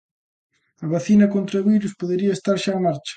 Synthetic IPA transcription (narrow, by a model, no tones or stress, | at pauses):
ɐβaθinɐkont̪ɾaɐβiɾuspoðeɾiɐest̪aɾʃaːmaɾt͡ʃɐ̥